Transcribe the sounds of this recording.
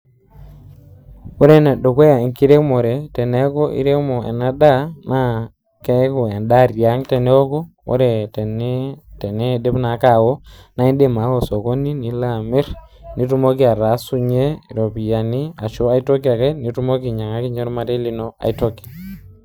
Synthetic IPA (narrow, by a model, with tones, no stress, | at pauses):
ɔ˦ɾɛ˦˨na˨ɗo˨kwe˦ja˨i˨ŋki˦ɾe˦mɔ˨ɾɛ˨tɛ˨nɛ˦kɔ˦ʔḭ˦ɾe˦mɔ˨ɛ̰˨na˦da˦na˦ | kɛ˦ko˨ɛ˨nda˦ɾja˨˦ŋtɛ˨nɛ˦ɔ˦kɔ˦ | ɔ̰˦ɾɛ˨tɛ˨ntɛ˨nɛ˦de˦pna˨˦ka˨wɔ˦na˨˦i˦nde˦ma˨˦wɔ˨sɔ˨ko˦ni˦ni˨la˦˨mɪ˦ɾni˨tu˦mo˦ki˦a˨ɾa˨˦su˦ɲe˦˨ɾo˨pi˨ja˨ni˦a˨ʃo˦a˦i˦to˦ki˦a˨kɛ˦ni˨˦tu˦mo˦k̬i˨ɲa˨ŋa˦ki˦ɲɔ˦ɾma˦te˦li˦no˦a̰˨i˦tɔ˦ki˨a˨